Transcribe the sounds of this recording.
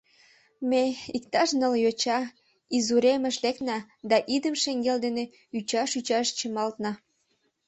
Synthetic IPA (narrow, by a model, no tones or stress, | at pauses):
meikt̪ɑʃnəljot͡ɕɑ | izuɾemeʃlek̪nɑ | d̪ɑʔid̪əmʃeŋɡeld̪ene | yt͡ɕɑʃyt͡ɕɑʃt͡ɕəmɑlt̪nɑ